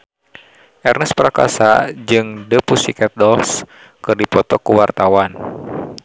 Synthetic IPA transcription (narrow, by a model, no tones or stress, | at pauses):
ʔɛrnəspəɾaka̰sa̰d͡ʒɨŋdəpusikɛt̪̚dɔls | kɨrdipɔt̪ɔkuwart̪awan